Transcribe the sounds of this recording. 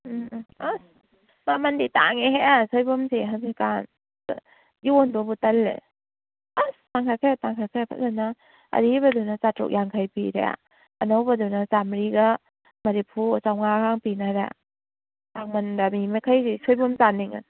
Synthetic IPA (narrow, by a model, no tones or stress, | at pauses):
a | mamandita̰ŋeɦeasɔjbɔmseɦamikan | jiɔndɔbutalːḛ | astaŋkʰakʰajataŋkʰakʰajpʰa̰ana | ɐ̰ɾibadunasatɾɔ̰k̚jaŋkʰajpiɾḛa̰ | anɔwbadɔnazamɾiɡa | maɾipʰut͡ʃawŋakʰaŋpinaɾa̰ | taŋmandamimakʰajɾisɔjbɔmsaniŋa̰